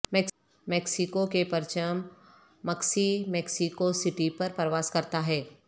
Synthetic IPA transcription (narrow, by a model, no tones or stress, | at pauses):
mɛk | mɛːksɪkokepɐɾt͡ʃəmː | ɐksimɛːksikosɪʈipɐɾpɾəʋaːskɐɾt̪aɦɛː